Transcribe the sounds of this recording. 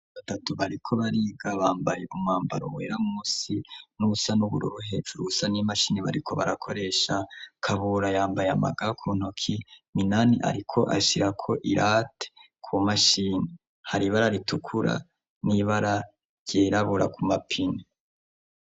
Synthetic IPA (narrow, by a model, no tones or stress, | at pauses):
βatatuβaɾikʰo̞βaɾiːɡaβaːmbajeʔumŋaːmba̰ɾo̰wḛːɾamuːsinuusanuβṵɾṵɾuɦe̞ːd͡ʒuɾuusanimaʃiːniβa̰ɾikʰo̞βaɾakʰo̞ɾe̞ːʃakʰaβuɾajaːmbajama̰ɡakʰun̥okʰiminaniʔa̰ɾikʰo̞ʔa̰ʃiɾakʰo̞ʔiɾʔatʰe̥ | kʰumaʃiːni | haɾiβaɾaɾitukʰuɾa̰ | niβaɾa | ɟeːɾaβuɾa̰kʰumapʰini